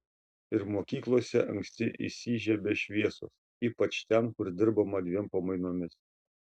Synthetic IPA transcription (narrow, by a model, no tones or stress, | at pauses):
ɪɾmoːkʲiːklˠoːsʲɛʔɐ̰ŋʲksʲt̪ʲɪʔɪ̰sʲiːʒʲɛbʲɛʃʲʋʲiɛso̰ːs | iːpɐt͡ʃt̪ʲɛnkʊɾd̪ʲɪɾbɐmɐd̪ʲʋʲiɛmpɐmɐɪnoːmʲɪs